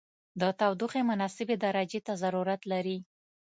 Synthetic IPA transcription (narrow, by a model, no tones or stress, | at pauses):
d̪ət̪awd̪uxemʊnɑsɪbed̪aɾad͡ʒet̪azaɾuɾat̪laɾi